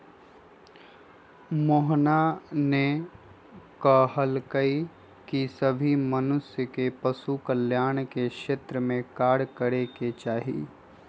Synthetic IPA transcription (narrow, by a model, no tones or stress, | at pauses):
moːɦnane | kəːɦəlkəi | kisəbʱimənʊsjəkepəsukəljaːñkekʃeːt̪ɾəmẽkaːɾkəɾeket͡ʃaːɦḭː